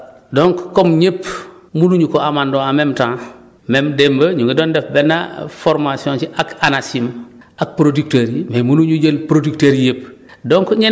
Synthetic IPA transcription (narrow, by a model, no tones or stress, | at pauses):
doŋkkomɲep | muluɲukoamandoamemtãŋ | memdembəɲuŋɡedoːndefbenːa̰foɾmasiõːnt͡ʃiʔakanasim | ʔak̚pɾodik̚teɾmemuluɲuɟelpɾodikteɾjep | doŋkɲe